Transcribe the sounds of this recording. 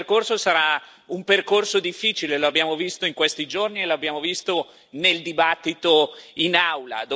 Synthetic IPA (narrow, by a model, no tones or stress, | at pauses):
rkorsosaɾa | umperkorsod̪ifːiːt͡ʃileloabːjaːmovist̪oiŋkwest̪id͡ʒornieloabːjaːmovist̪o | neld̪ibat̪ːit̪oinawla̰d̪o